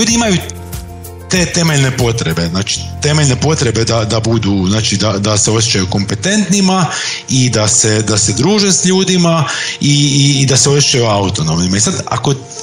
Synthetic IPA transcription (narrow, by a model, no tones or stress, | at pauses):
uːd̪iimaju | t̪e̞ːt̪e̞meʎne̞po̞t̪ɾe̞be̞znaːt͡ʃi̥t̪e̞meʎne̞po̞t̪ɾe̞be̞d̪ad̪abud̪uznaːt͡ʃid̪ad̪ase̞sjet͡ʃajuko̞mpe̞t̪e̞nt̪nima | id̪ase̞d̪ase̞d̪ɾuːʒesʎuːd̪imaid̪aseo̞sset͡ʃajuaut̪o̞no̞mnimaisad̪a̰ko̞